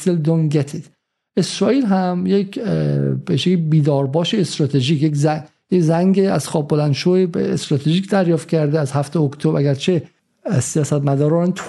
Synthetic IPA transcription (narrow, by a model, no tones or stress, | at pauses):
t̪eld̪onɡet̪ʰit̪ | esɾɒːiːlɦæmjek | beʃekbiːd̪ɒːɾbɒːʃeːst̪ɾɒːt̪ʰeʒiːkjekzæŋ | jezæŋɡeæz̥xɒːb̚bolænd̪ʃoebest̪ɾɒːt̪ʰeʒiːkʰd̪æɾjɒːft̪̚cʰæɾd̪eæzhæft̪eokt̪ʰobʔæɡæɾt͡ʃʰe | sijɒːsæt̪mæd̪ɒːɾɒːnt̪ʰ